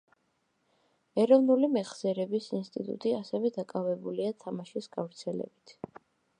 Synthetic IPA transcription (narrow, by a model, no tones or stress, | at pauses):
ɛɾɔvnulimɛχz̥ɛɾɛbisinst̪ʼḭt̪ʼṵt̪ʼiasɛvɛd̪akʼavɛbuliat̪ʰamaʃisɡ̥avɾt̪sʰɛlɛ̰bit̪ʰ